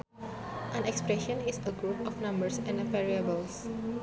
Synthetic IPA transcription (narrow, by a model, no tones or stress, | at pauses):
ʔãnɛkspɹɛʃə̃nisəɡɹupɔfnãmbəɹsɛ̃nəvɛɹiəbəls